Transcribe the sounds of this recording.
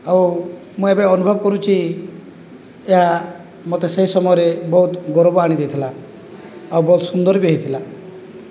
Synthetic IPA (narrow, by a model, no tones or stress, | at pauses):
aw | mũebeɔnubʱɔbkɔɾut͡ʃʰi | eɦa | mot̪eseɦisɔmɔjɔɾebɔɦut̪ɡɔɾobɔaɽ̃id̪et̪ʰila | awbɔut̪sund̪ɔɾbjɔɦeit̪ʰila